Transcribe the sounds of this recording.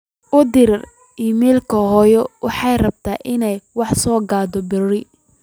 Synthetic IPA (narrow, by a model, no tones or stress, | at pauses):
ʔʊd̪ɪɾr | ʔiːmɛːlkʰɐɦɔːjɔwɑħɑjrɐb̚t̪ʰa̰ːʔɪnɛjwɑħsɔːɡaːd̪ɔbɪrɪ